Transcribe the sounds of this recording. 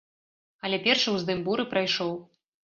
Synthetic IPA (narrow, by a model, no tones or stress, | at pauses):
ɐlʲɛpʲɛrʂɐwzd̪ɨmbuɾɨpɾajʂɔw